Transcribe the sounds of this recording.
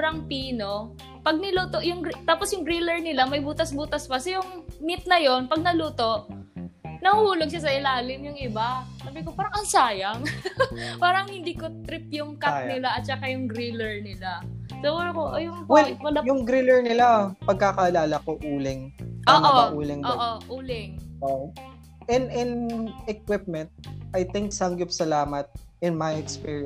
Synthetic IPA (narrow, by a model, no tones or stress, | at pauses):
ɾɐŋpiːno̞ | pɐɡ̚nɪluːt̪oʔjʊŋɡɾt̪aːposjʊŋɡɾilɛɹnɪlamɐjbuːt̪ɐsbuːt̪ɐspɐsɛjʊŋmɪt̪̚nɐjo̞npɐɡ̚nɐluːt̪o̞ʔ | nɐhuːloɡ̚ʃas̬ɐɪlaːlɪmjʊŋʔɪbasaːbɪkopaːɾɐŋɐnsaːjɐŋ | paːɾɐŋhɪnd̪iːko̞t̪ɾɪp̚jʊŋkanɪlaʔɐt̪̚t͡ʃɐkajʊŋɡɾilɛɹnɪlasoɐlɐkoʔojʊŋwɛlwɐlajʊŋɡɾilɛɹnɪlapɐɡ̚kakɐɐlaːlɐkoʔuːlɪŋʔoːʔɐoʔuːlɪŋʔoːʔoʔuːlɪŋʔo | ʔɛnd̪ɪnɛk̚wɪp̚mɛnt̪̚ʔɐjt̪ɪŋksɐŋɡɪpsɐlaːmɐt̪̚ɪnmajɛkspiːɹi